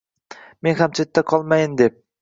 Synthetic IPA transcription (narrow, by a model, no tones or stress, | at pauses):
me̞nhamt͡ʃʰet̪ːaqʰɒlˠmajɪnd̪e̞p̚